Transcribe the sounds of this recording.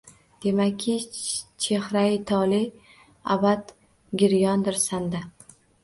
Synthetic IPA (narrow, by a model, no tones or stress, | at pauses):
d̪̥e̞makʲʰːɪt͡ʃʰe̞hɾat̪ʰɒlɪ | a̰bad̪ | ɡʲɪɾjɒnd̪ɪɾsand̪a